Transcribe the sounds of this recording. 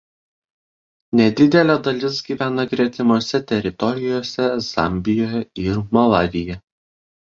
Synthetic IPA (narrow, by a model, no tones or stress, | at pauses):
nʲɛd̪ʲɪd̪ʲɛlʲɛd̪ɐlʲɪsɡʲiːʋʲæːnɐɡɾʲɛt̪ʲɪmoːsʲɛt̪ʲɛɾʲɪt̪ɔɾʲɪjoːsʲɛz̥ɑ̰ˑmʲbʲɪjoːjɛɪɾmɔlˠɑːʋʲɪjɛ